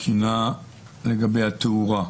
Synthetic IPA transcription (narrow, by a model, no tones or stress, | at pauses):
kʰina | leɡabejat̪euʁa